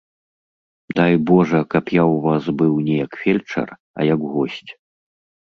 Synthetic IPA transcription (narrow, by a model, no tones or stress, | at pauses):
d̪ajbɔʐɐkɐpjawvasbɨwnʲɛjɐkfʲɛlʲt͡ʂɐ̰r | ɐ̰jɐkɣɔsʲt͡sʲ